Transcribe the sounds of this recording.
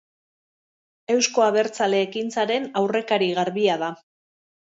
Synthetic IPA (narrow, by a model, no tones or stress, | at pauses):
e̞wsko̞aβ̞e̞ɾt͡sale̞ːkint͡saɾe̞nawre̞kaɾiɣaɾβiað̞a